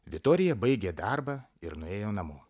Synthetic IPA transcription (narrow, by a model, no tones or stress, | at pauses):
ʋʲɪt̪ɔːɾʲɪjɛbɐɪɡʲeːd̪ɑɾbɑː | ɪɾnʊeːjoːnɐmoː